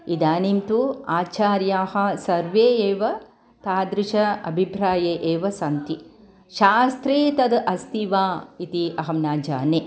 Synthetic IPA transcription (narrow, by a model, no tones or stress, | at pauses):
id̪aːnimt̪uaːt͡ʃaːɾjaːhɐ̆sɐɾʋeːeːʋɐ | t̪aːd̪ɾiʃɐɐ̰bʱipɾaːjeːʔeːʋɐsɐnt̪i | ʃaːst̪ɾiːt̪ɐd̪ʔɐst̪iʋaːit̪iɐɦɐmnaːd͡ʒa̰ːneː